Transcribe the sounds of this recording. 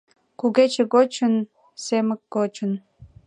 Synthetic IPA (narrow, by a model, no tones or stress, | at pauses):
kuɣet͡ɕĕɣot͡ɕə̆n | semə̆k̚ːot͡ɕə̆n